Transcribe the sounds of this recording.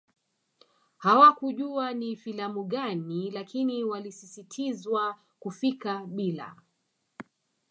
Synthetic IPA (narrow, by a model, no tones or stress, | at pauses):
hawakuʄuanifilamuɠanilakiniwalisisitʰizwa | kufikaɓila̰